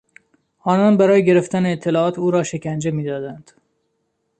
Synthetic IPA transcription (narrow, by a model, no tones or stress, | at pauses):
ʔɒːnɒːnbæɾɒːjeɡe̞ɾe̞ft̪æneːt̪ʰːelɒːɒːt̪ʰuːɾɒːʃe̞cænd͡ʒemiːd̪ɒːd̪ænd̪̥